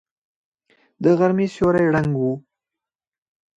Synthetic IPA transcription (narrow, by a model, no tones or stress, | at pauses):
d̪əɣaɾmesjoɾajɽaŋɡwu